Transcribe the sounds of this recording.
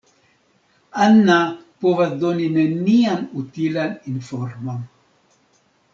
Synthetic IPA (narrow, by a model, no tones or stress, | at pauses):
anːapovad̪oninenianut̪ilaninforma